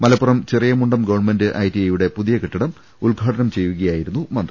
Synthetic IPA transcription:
mɐlɐpːurɐmt͡ɕirijɐmuɳɖɐmɡɐʋɐrɳme̞ndɨʔɐjtiɐjuɽe̞puðijɐkiʈːiɽɐm | ulɡʱaːʈɐnɐmt͡ɕe̞jːuɣɐjaːjiɾunːumɐnd̪rɐ

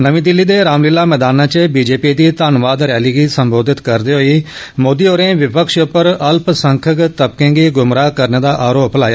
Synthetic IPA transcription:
nəʋĩːd̪ɪlːiːd̪eːɾaːmlɪːlaːmɛːd̪aːnãːt͡ʃəbiːd͡ʒeːpiːd̪iːt̪aːnʋaːd̪ɾɛːliːɡiːsəmboːd̪ʱɪt̪kəɾd̪iːɦoːiː | moːd̪iːoːɾẽːʋɪpəkʃʊpːəɾəlpsəŋkʰəkt̪əb̚kẽːɡiːɡʊmɾaːkəɾneːd̪aːʔaːɾoːplaːjaː

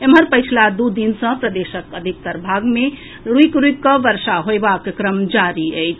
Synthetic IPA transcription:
eməɾpəjt͡ʃʰlad̪ud̪insə̃pɾəd̪esəkəd̪ʱik̚t̪əɾbʱaɡme | ɾuikɾuikːəʋəɾsaɦoebakkɾəmd͡ʒaɾiəjt͡ʃʰ

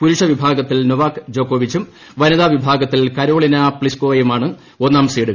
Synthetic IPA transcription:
puɾuʂɐʋibʱaːɡɐt̪ːilnoʋaːkɨd͡ʑo̞ːkːoːʋit͡ɕːum | ʋɐnɐðaːʋibʱaːɡɐt̪ːilkɐɾo̞ːɭinɐpɭiskoːɐjumaːɳɨ | o̞nːaːmɐsɐjiɽɨ

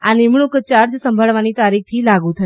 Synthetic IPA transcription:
animɳukt͡ʃaɾd͡ʒsəmbʱəɭʋanit̪aɾik̚ʰt̪ʰilaɡũt̪ʰə

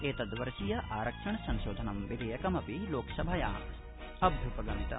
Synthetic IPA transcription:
eːt̪ɐd̪ʋɐɾʃijɐʔaːɾɐkʂɐɳɐsɐ̃nʃoːd̪ʱɐnɐmʋid̪ɐjɐkɐmɐpiloːksɐbʱɐjaː | ɐbʱjupɐɡɐmit̪ɐ̰

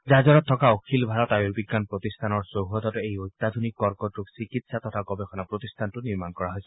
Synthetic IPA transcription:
zazɔnɔt̪ʰːɔkaokʰilbʱaɔtajuɹbiɡːanpɹot̪istʰanɔɹsoɦɔt̪ɔtejojt̪ːad̪ʱunikːɔɹkɔtusikitsat̪ɔt̪ʰaɡɔbɛxʰɔnapɹot̪istʰantʊniɹmankɔɹaɦojsɛ

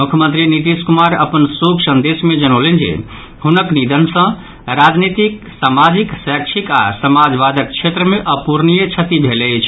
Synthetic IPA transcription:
mukʰjəmənt̪ɾinit̪iskumaɾəpənsuksə̃nd̪esmed͡ʒənolend͡ʒḛ | ɦunəknid̪ʱənsə̃ | ɾad͡ʒnit̪ik | samad͡ʒiksakt͡ʃʰika̰səmad͡ʒʋad̪əkt͡ʃʰet̪ɾəmeʔəpuɾnijət͡ʃʰət̪ibʱelət͡ʃʰ

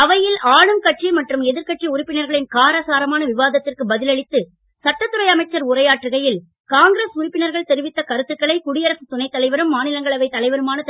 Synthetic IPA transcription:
ɐʋɐjɪlaːɻɯmkɐʈrimɐʈrɯmɛðɪɾkɐʈriʊɾɪpːɪnɐɾɣɐɭɪnkaːɾɐsaːɾɐmaːnɐʋɪʋaːðɐt̪ːɪrkɯbɐðɪlɐɭɪt̪ːɯ | sɐʈːɐt̪ːɯɾɐɪɐmɐɪt͡ʃːɐɾʊrɐjaːʈːrɯɣɐjɪl | kaːŋɡɾesʊɾɪpːɪnɐɾɣɐɭt̪ɛɾɯʋɪt̪ːɐkɐɾɯt̪ːɯkːɐɭɐɪkʊɽɪjɐɾɐsɯt̪ʊnɐɪt̪ːɐlɐɪʋɐɾɯmːaːnɪlɐŋɡɐɭɐʋɐɪt̪ːɐlɐɪʋɐɾɯmaːnɐt̪

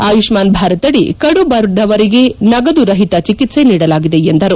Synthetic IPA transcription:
aːjuʂmaːnbʱaːɾɐt̪ɐɽikɐɽubɐɾd̪ɐʋɐɾiɡe̞nɐɡɐd̪uɾɐɦit̪ɐt͡ʃikit̪se̞niːɽɐlaːɡid̪e̞end̪ɐɾu

